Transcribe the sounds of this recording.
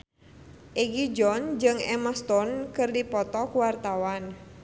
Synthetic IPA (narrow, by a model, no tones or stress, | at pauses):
ʔeɡid͡ʒɔnd͡ʒɨŋɛmast̪ɔnkɨrdipɔt̪ɔkuwart̪awan